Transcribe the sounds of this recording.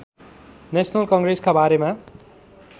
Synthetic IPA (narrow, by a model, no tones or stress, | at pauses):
nesʰʌnʌlkʌŋɡreskabaɾema